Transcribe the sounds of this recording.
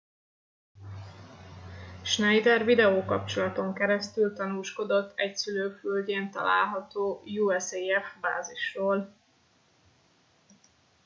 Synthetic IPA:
ʃnɛjd̪ɛrvid̪ɛoːkɒp̚t͡ʃo̞lɒt̪o̞ŋkɛɾɛst̪ylt̪ɒnuːʃko̞d̪o̞t̪ʰːɛcsyløːfylɟeːnt̪ɒ̰la̰ːlɦɒt̪oːjuɛseɛfba̰ːziʃroːl

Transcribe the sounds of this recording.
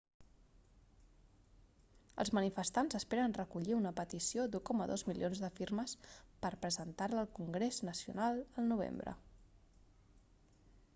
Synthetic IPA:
ə̰lˠzmənifəst̪anzəspeɾənrəkuʎiunəpət̪isiod̪ukɔməðozmilḭjonzðəfiɾməspəɾpɾəzənt̪arləːlˠkuŋɡɾeznəsiṵnalˠəlˠnuβ̞ḛmbɾə̰

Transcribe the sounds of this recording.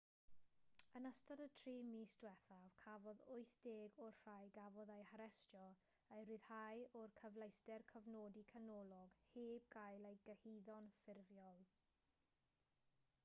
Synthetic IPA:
ənəstadətʰriːmiːsd̥wɛθav̥kʰavɔðʊɨθd̥eːɡɔrr̥ajɡavɔðejhaɾɛstjɔ | ejɾɨð̥hajɔrkʰəvlˠejstɛrkʰəvnoːdikʰanɔlˠɔɡheːb̚ɡajlˠejɡ̥əhiðɔnfɪrvjɔlˠ

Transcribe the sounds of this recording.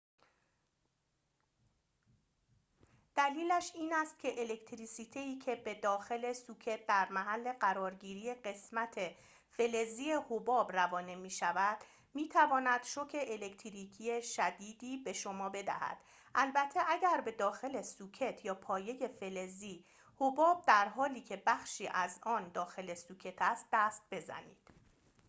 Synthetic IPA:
d̪̥æliːlæʃiːnæst̪̚cʲʰe̞ʔele̞kʰt̪ʰɾiːsiːt̪ʰeiːcʰe̞bed̪ɒːxe̞le̞suːcʰe̞t̪̚d̪æɾmæɦælːe̞ɢæɾɒːɾɟiːɾiːje̞ɢe̞smæt̪ʰe̞ | fe̞le̞zie̞hobɒːbrævɒːne̞miːʃævæd̪̥ | miːt̪ʰævɒːnæd̪̥ʃo̞cʰe̞ʔele̞kt̪ʰɾiːcʰie̞ʃæd̪iːd̪iːbe̞ʃo̞mɒːbe̞d̪æ̰hæ̰d̪̥ | ʔælbæt̪ʰe̞ʔæɟæɾbe̞d̪ɒːxe̞le̞suːcʰe̞t̪ʰjɒːpʰɒːje̞je̞fe̞le̞ziː | hobɒːb̚d̪æɾɦɒːliːcʰe̞bæxʃiːʔæzɒːnd̪ɒːxe̞lesuːcʰe̞t̪ʰæst̪̚d̪æst̪̚be̞zæ̰nḭːd̪̥

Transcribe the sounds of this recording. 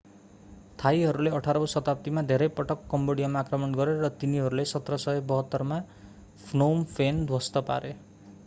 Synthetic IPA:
t̪ʰajɦʌɾuleʌʈʰaɾʌbʌsʌt̪apʌt̪imad̪ʱeɾʌjpʌʈʌkːʌmboɽijamaːkrʌmʌnɡʌɾeɾʌt̪iniɦʌɾulesʌt̪rʌsʌebʌɦʌt̪ːʌrma | pʰnompʰend̪ʱwʌst̪ʌpa̰ɾe

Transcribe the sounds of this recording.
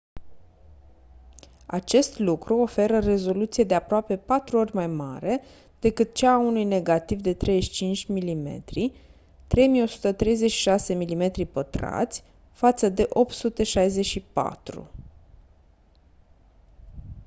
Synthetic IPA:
a̰t͡ʃe̞st̪lukɾuo̞fe̞ɾəre̞zo̞lut̪sije̞d̪e̞apɾoape̞pat̪ɾuo̞rʲmajma̰ɾe̞ | d̪̥e̞kɨt̪̚t͡ʃaːunujne̞ɡat̪ivd̪e̞t̪ɾʔe̞jʃt͡ʃint͡ʃʲmilime̞̰t̪ɾi | t̪ɾe̞jmijo̞su̥t̪ət̪ɾe̞jze̞t͡ʃʃi̥ʃase̞milime̞t̪ɾipət̪ɾa̰t̪sʲ | fat̪səd̪e̞ʔo̞p̚t̪sut̪e̞ʃajzeʃipa̰t̪ɾṵ

